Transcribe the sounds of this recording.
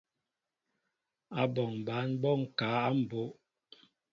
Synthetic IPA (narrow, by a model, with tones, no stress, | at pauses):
a˨bɔ˨ŋ˨ba˨˦nbɔ˦˨ŋ̩˨kaː˨˦a˦m̩˨bo˨˦ʔ